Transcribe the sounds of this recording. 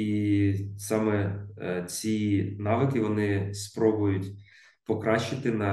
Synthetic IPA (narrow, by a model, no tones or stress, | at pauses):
isɑmɛ | t͡sʲinɑʋɪkɪʋɔnɪspɾɔbʊjʊtʲ | pɔkɾɑʃt͡ʃɪt̪ɪnɐ